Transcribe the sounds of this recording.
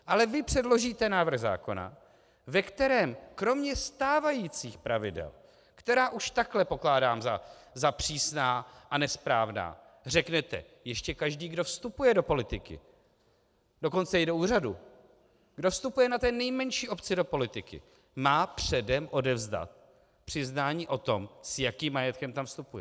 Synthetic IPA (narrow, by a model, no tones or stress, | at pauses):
ʔalɛvɪpr̝̥ɛdlo̞ʒiːt̪ɛnaːvɾr̩ɣza̰ːko̞na̰ | vɛkt̪ɛɾɛːmkɾo̞mɲɛst̪aːvajiːt͡siːxpɾavɪdɛ̰l | kt̪ɛɾaːʔuʃt̪aklɛpo̞klaːdaːmzazapr̝̥iːsnaːʔanɛspɾaːvna̰ː | r̝ɛknɛt̪ɛ̰ | jɛʃcɛkaʒdiːɡdo̞fst̪upujɛdo̞po̞lɪt̪ɪkɪ̰ | do̞ko̞nt͡sɛjɛdouːradu | ɡdo̞fst̪upujɛnat̪ɛːnɛjmɛɲʃiːʔo̞pt͡sɪdo̞po̞lɪt̪ɪkɪ̰ | maːpr̥ɛdɛmʔo̞dɛvzda̰t̪̚ | pr̝̥ɪznaːɲiːʔo̞t̪o̞msjakiːmːajɛt̪kɛmt̪amfst̪upujɛ